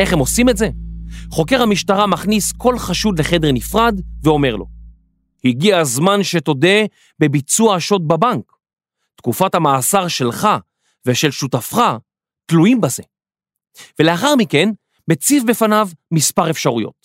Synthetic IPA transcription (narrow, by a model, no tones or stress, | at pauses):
e̞χemo̞simetze̞χo̞ke̞ʁhamiʃtaʁamaχnisko̞lχaʃud̪le̞χe̞de̞ʁnifʁad̪veo̞me̞ʁlo̞̰ | hiɡiazmanʃe̞to̞de | be̞bit͡suaʃo̞t̪̚babaŋk | tkufatamaːsaʁʃe̞lχa | veʃelʃutafχa | tluimbaze̞ | vele̞aχaʁmike̞n | met͡sifbefanavmispaʁefʃaʁujo̞̰t̪̚